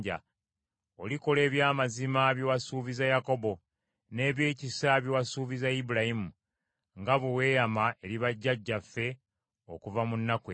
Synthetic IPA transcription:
ɟa̰ | o̞liko̞le̞ːβjaːmazimaβjowasuːvizajako̞bo̞ | ne̞ːβje̞ːcisaβjowasuːvizaibuɾaimu | ŋɡaβewe̞ːjamae̞liβaɟːaɟːafːe̞ | o̞̰kuvamunːake

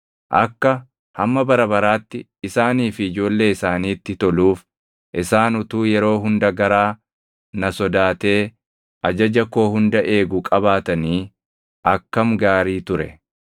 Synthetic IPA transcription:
ʔɐ̰kːɐ | hɐmːɐbɐɾɐbɐɾaːt̪ːɪ | ɪsaːniːfɪɪd͡ʒo̞ːlːe̞ːɪsaːniːt̪ːɪt̪ɔluːf | ʔɪsaːnʊt̪uːjɛɾo̞ːɦʊnd̪ɐɡɐɾaː | nɐsɔd̪aːt̪e̞ː | ʔɐd͡ʒɐd͡ʒɐko̞ːhʊnd̪ɐʔe̞ːɡʊkʼɐbaːt̪ɐniː | ʔɐkːɐmɡaːɾiːt̪ʊɾɛ̰

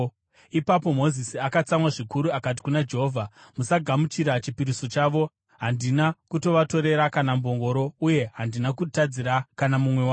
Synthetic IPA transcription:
ipapo̞mo̞zisiakat͡samwaʐikuɾuakat̬i̥kunad͡ʒe̞ɦoːvʱamusaɡʱamut͡ʃiɾat͡ʃipiɾiso̞t͡ʃaːʋo̞ | ɦandinakuto̞ʋato̞ɾe̞ɾakanambo̞ŋɡo̞ɾo̞uje̞ɦandinakutad͡ziɾakanamumwe̞wa

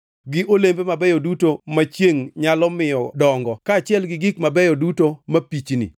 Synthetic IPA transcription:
ɡɪʔolembemabɛjodutomat͡ʃjeŋɲalɔmɪjɔdɔŋɡɔkaːt͡ʃɪɛlɡɪɡɪkmabɛjɔdutomapit͡ʃnḭ

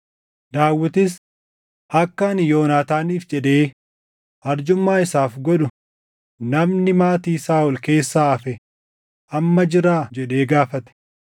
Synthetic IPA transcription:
d̪aːwːɪt̪ɪs | ʔɐkːɐnjo̞ːnaːt̪aːniːfd͡ʒɛᶑe̞ː | ʔɐɾd͡ʒʊmːaːɪsaːfɡɔᶑʊ | nɐmnɪmaːt̪iːsaːʔʊlke̞ːsːaːɐfɛ | ʔɐmːɐd͡ʒɪɾaːd͡ʒɛᶑe̞ːɡaːfɐt̪ɛ̥

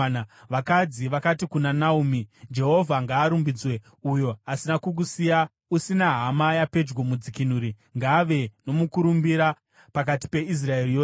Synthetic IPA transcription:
ʋakad͡ziʋakatikunanaumid͡ʒe̞ɦo̞vʱaŋɡaːɾumbid͡zwe̞ | ujo̞asinakuk̬usija | usinaɦamajape̞d͡ʒɡomud͡zikinuɾi | ŋɡaʋe̞no̞mukuɾumbiɾa | pak̬ati̥pe̞is̬rae̞rijoː

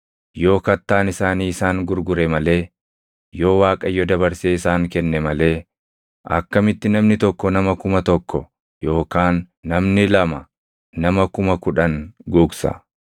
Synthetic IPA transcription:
jo̞ːkɐt̪ːaːnɪsaːniːɪsaːŋɡʊɾɡʊɾɛmɐle̞ː | jo̞ːwaːkʼɐjːɔd̪ɐbɐɾseːɪsaːŋkɛnːɛmɐle̞ː | ʔɐ̰kːɐmɪt̪ːɪnɐmnɪt̪ɔkːɔnɐmɐkʊmɐt̪ɔkːɔ | jo̞ːkaːnː | ɐmnɪlɐmɐː | ɐmɐkʊmɐkʊᶑɐŋɡuːksɐ̰

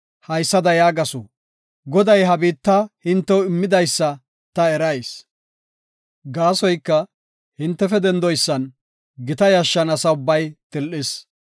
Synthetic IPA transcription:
hɐjsːɐd̪ɐjaːɡɐso̰ | ɡɔd̪ɐjɦɐbiːt̪ːɐhɪnt̪ːɛwɪmːɪd̪ɐjsːɐ | t̪ɐɛɾɐjs | ɡaːsɔjkːɐ | hɪnt̪ːɛfɛd̪ɛnd̪ɔjsːɐn | ɡɪt̪ɐjɐʃːɐnɐsɐʊbːɐjt̪ɪlʔɪs

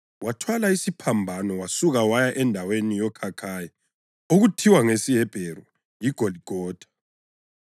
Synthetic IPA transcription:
watʰwalaisipʰambʱanɔwasuɣawajaʔɛndʱawenijɔkʰakʰajɛ | oɣutʰiwaŋesijɛb̥ʱeɾu | jiɡ̥ʱoliɡ̥ʱɔːd̥ʱḁ

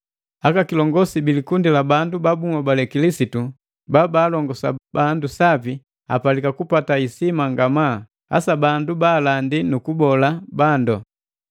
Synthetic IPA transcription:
akakilɔŋɡɔsibilikundilabandubabuŋabalɛkilisitu | babaːlɔŋɡɔsa̰bandusavi | a̰palikakupataisimaŋɡama | a̰sabandubaːlandinukubɔlabandɔ

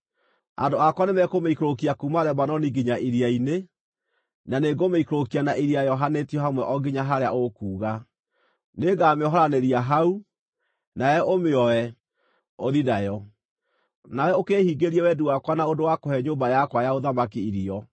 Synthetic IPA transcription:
a̰doakwanemɛkomeikɾokiakumaɾɛmanɔniɡiɲaʔiɾiaine | naneɡomeikɾokianaʔiɾiajɔɦanetiɔɦamwɛʔɔɡiɲaɦaɾeaʔokuːɣa | neɡameɔɦɔɾaneɾiaɦau | naɛʔomeɔɛ | oðidajɔ | nawɛokeːhiːɡeɾiɛwɛduwakwanaodowakohɛɲoːmbajakwajaoðamakiiɾiɔ

